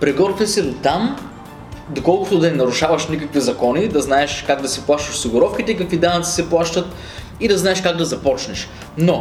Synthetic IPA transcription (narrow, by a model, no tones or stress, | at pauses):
pɾɛɡɔɾk̪ɛsɛd̪ot̪am | d̪okɔlˠkʊ̥t̪ʊd̪ɐɛnɐɾʊʃavɐʃnʲikəkvizɐkɔnid̪ɐznaɛʃkaɡ̚d̪ɐsɛplˠaʃt̪ɐʃsiɡʊɾɔfk̟it̪ɛikɐkvid̪anɐt̪si̥sɛplˠaʃt̪ət̪ | id̪ɐznaɛʃkaɡ̚d̪ɐzɐpɔt͡ʃnɛʃ | no